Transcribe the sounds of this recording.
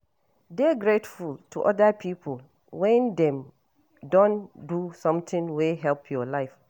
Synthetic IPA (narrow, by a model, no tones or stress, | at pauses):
dɛɡɹetfulˠtʰṵʔɔdapʰipʰəl | wɛ̃ndɛ̃m | dɔ̃ndusɔ̃mtɪ̃ŋweɦɛlpʰjɔlaɪf